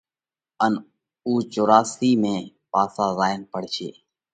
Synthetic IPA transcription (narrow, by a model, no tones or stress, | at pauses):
ən | uːt͡ʃoːɾaːsiːmẽː | paːsaːzaːɪnpəɽ̤ʃʰḛː